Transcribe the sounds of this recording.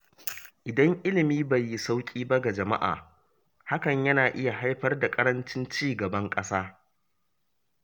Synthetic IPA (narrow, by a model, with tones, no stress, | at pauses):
ʔɪ˨dɐ˦ŋʔɪ˦lɪ˨miː˦ba˨jːɪ˦sa˦wkʲʼiː˦ba˦ɡa˨d͡ʒɐ˨ma̰˦ʔa̰ː˨ | ha˦kɐ˨ɲjɐ˦naː˨ʔɪ˦ja˨ɦa˦jɸɐ˦rda˨kʼɐ˦ɾɐ˦nt͡ʃɪ˦nt͡ʃiː˦˨ɡɐ˨bɐ˦ŋkʼɐ˦saː˦